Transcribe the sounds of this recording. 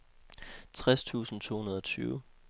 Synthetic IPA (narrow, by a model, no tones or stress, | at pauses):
t͡sʰʁast͡sʰṵːsn̩t͡sʰo̝̰ːhunɐð̞ˠɒ̽t͡sʰyːʊ